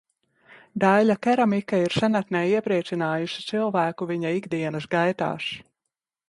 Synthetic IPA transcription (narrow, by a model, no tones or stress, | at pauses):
d̪alakɛɾamikaiɾsanat̪nɛːiɛpɾiɛt͡ʃ̪inaːjuʃi̥t̪silˠvæːkuviɲaiɡd̪iɛnɐsɡajt̪a̰ːʃ